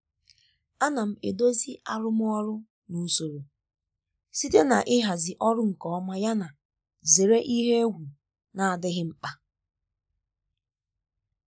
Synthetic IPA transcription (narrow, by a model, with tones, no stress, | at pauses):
a˦na˨m̩˨ḛ˨do˦zi˦a˨ɾʊ˦m˦ɔ˦ɾʊ˦ | nu˨˦so˨ɾo˨ | si˦te˦na˨ʔɪ˦ɦa˨zɪ˨ʔɔ˦ɾʊ˦ŋ̩˨kɔ˦ɔ˦ma˦ja˦na˨ | ze˨ɾe˦ʔi˦ɦe˦e˦ɡu˨ | na˨a˨dɪ˦ɦɪ˦m̩˦k͡pa˦